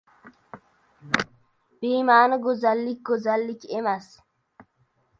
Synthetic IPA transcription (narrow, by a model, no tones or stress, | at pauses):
b̥iːmaːnəɡʊzalːik̚ɡozalːikemas